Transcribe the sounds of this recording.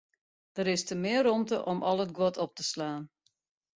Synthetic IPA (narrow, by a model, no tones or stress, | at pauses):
d̥əɾɪstəmɪərɔmtə̰ʔɔmʔɔlˠət̚ɡwɔtʰɔp̚təslaːn